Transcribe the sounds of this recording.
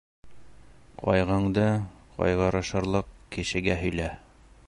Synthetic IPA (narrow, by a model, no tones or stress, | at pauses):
qʰɒ̰jʁɑɴd̪ɤqɒ̰jʁɑɾɑ̆ʃɤ̆ɾlˠɤqkɘ̆ʃɘ̆ɡæɦɵ̆jlæ